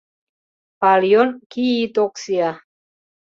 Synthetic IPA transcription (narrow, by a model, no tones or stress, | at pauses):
palionkiːt̪oksia